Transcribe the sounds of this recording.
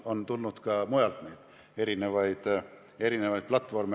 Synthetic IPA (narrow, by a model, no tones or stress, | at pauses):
ont̪ulnut̪kɑmujɑlt̪niːd̪̥ | e̞ɾinevɑjd̪ | e̞ɾinevɑjt̪̚plɑt̪ːˑfo̞rme